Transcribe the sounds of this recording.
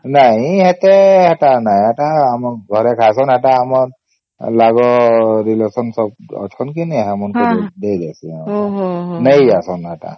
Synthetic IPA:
najhɛt̪ɛɛtanajɛʈaːmɔɡʱɔɾɛkʰasɔnɛʈaːmɔɹ | laɡɔɾilesɔnsɔb̚ɔ̰tʰɔnkiniɦɛmɔnkɔd̪edasia | nəjasɔnɛta̰

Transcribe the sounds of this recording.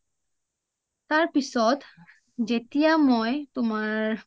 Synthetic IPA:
t̪aɹpisɔt̪ | d͡ʑet̪ijamɔjt̪omaɹ

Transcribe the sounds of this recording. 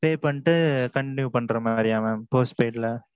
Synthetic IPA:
peːpɐɳːʈːɯkɐɳnjuːpɐɳːɾɐmaːɾɪjaːmaːmpoːsʈpeːʈlɐ

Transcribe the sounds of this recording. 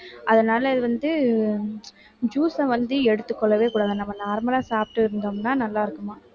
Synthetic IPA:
ʔɐðɐnaːlɐɪðɯʋɐnd̪ɯ | d͡ʒuːsɐ̃ʋɐnd̪ɯɛɽɯt̪ːɯkːɔɭːɐʋeːkuːɽaːðɐ̃ːnɐmːɐnaːɾmɐlaːsaːp̚ʈːɯɪɾɯnd̪ɐmnaːnɐlːaːɪɾɯkːɯmaː

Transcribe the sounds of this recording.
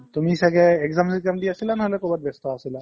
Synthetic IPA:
t̪umiɦisakɛːkzamsikamdiasilanaɦolɛkubat̚bɛst̪ɔasila

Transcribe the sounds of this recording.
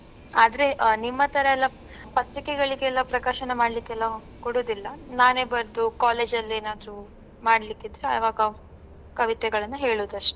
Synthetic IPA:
aːd̪ɐɾe̞nimːɐt̪ɐɾɐɛlːɐ | pɐt̪ɾikɛɡɐɭiɡeːlːɐpɾɐkaːɾʃɐnemaːɽlikːɛlːɐ | koɽuːd̪ilːɐnaːne̞ːbɐɾd̪ukaːle̞ːd͡ʒɐlːeːnaːd̪ɾu | maːɽɐlikːid̪ɾea̰ːʋaːɡɐ | kɐʋit̪ɛɡɐɭɐnːɐɦe̞ːɭuːd̪ɐʂʈe̥

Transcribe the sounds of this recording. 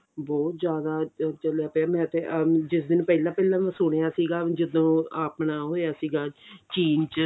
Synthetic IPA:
bɔːt̪zjaːd̪aːt͡ʃəlaːpɛmɛ̃ːt̪eːʔd͡ʒɪsd̪ɪnpɛːlãːpɛːlãːmɛ̃ːsʊɽ̃ejaːsiːɡaːd͡ʒɪd̪õːaːpnaːɦoːaːsiːɡaːt͡ʃiːnt͡ʃ

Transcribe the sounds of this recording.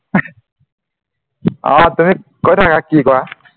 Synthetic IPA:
ʌ̰̃t̪ʌmikʌitʰakakikoa

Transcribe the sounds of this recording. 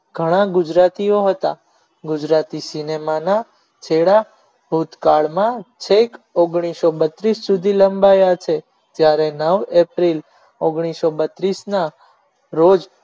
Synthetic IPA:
ɡʱəɽ̃ãɡʊd͡ʒɾat̪ioɦət̪a | ɡʊd͡ʒɾat̪isinemana | t͡ʃʰeɽa | ɦut̪kaɭmãt͡ʃʰekoɡɽ̃isobət̪ɾisːud̪ʱiləmbajat͡ʃʰe | d͡ʒjaɾenəʋepɾil | oɡɽ̃isobət̪ɾisna | ɾod͡ʒ

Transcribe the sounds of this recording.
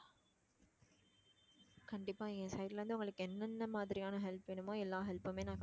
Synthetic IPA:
kɐɳɖɪpːaːẽːsɐɪʈlʋɐnd̪ɯʊŋɡɐɭɯkːɯɛnːɐnːɐmaːðɪɾɪjaːnɐɦɛlpɛɳɯmoːɛlːaːɦɛlpːɯmeːnãːka

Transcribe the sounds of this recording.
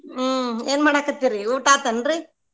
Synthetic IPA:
eːnmɐɽakːɐt̪ːiɾiuːʈaːt̪ɐnɾi

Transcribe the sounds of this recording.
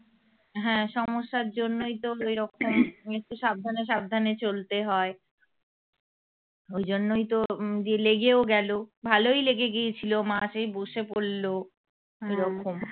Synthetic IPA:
ɦɛ̃ːʃɔmoʃːaɾd͡ʑonːojt̪oejɾɔkʰomek̚ʈuʃab̚d̪ʱaneʃab̚d̪ʱanet͡ɕolt̪eɦɔe | ojd͡ʑonːojt̪od̪ieleɡeoɡɛlobʱalojleɡeɡiet͡ɕʰilomaʃejboʃepolːo | ejɾɔkʰom

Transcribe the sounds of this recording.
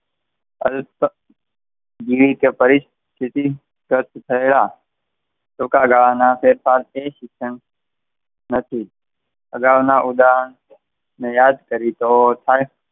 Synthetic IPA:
əl | d͡ʒiʋikepəɾɪs | t̪ʰɪt̪i | kəɾt̪t̪ʰəela | t̪okaɡaɭaːnapʰeːɾpʰaːleʃɪkʃən | nət̪ʰi | əɡəɾʊnaʔʊd̪aːən | mẽjaːd̪kəɾit̪ot̪ʰaːe

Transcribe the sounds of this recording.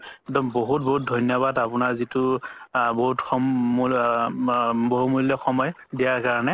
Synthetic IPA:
ɛk̚dɔmboɦut̚bɔɦut̚dʱɔnjɔβadapʊnaɹzitʊ | boɦutxɔ | boɦumuljɔxɔmɔj | dijaɹkaɹɔnɛ

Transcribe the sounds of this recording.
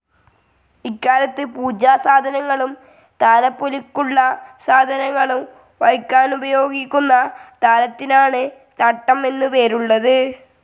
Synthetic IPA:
ikːaːɾɐt̪ːɨpuːd͡ʑaːsaːd̪ʱɐnɐŋːɐɭum | t̪aːlɐpːolikːuɭːɐsaːd̪ʱɐnɐŋːɐɭum | ʋɐɻkːaːnubɐjo̞ːɡikʲːunːɐt̪aːlɐt̪ːinaːɳɨ | t̪ɐʈːɐme̞nːɨpe̞ːɾuɭːɐðɨ

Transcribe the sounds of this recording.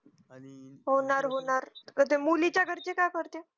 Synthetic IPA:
ɦonaɾɦonaɾət̪emulit͡ɕaɡʱəɾt͡ɕekakəɾt̪e

